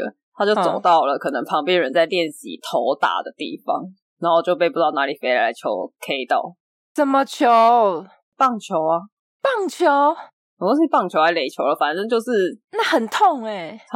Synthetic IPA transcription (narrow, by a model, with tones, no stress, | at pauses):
ə˨tt̪ʰa˥t͡ɕjo˥˩ʊt͡so˨˩˨ʊt̪ɑ˥˩ʊlə˩kʰɤ˨˩nə˧˦ŋpʰɑ˧˥ŋpjɛ˥˨nɻə˧˦nt͡sa˥˧ɪljɛ˥˨˩nɕḭ˨˩t̪ʰo˧˥ʊt̪a̰˨˩d̪ə˨t̪ḭ˥˩fɑ̰˦ŋ | na˨˥˦xo˥˧t͡ɕjo˥˧ʊp̬e˥˧ɪpu˥t̪ɑ˥˩ʊna˧˥li˨˩fe˧˥ɪla˧˥la˧˦ɪt͡ɕʰjo̰˧˥ʊkʰe˥ɪt̪ɑ˥˩ʊ | t͡sə˨˩nmə˧t͡ɕʰjo˨˧˦ | pɑ˥˩ŋt͡ɕʰjo˧˥ʊa˦ | pɑ˥˩ŋt͡ɕʰjo˨˦ʊ | ɔ˨˩o˥˧ʂi˥˧pɑ˥˩ŋt͡ɕʰjo˧˥ʊa˧˥ɪle˨˩ɪt͡ɕʰjo˧˥ʊlə˨fa˨˩nʈ͡ʂə˥ŋt͡ɕjo˥˧ʊʂɻ̩˥˧na˥˩hə˨˩nt̪ʰo˥˩ŋe˨˩˥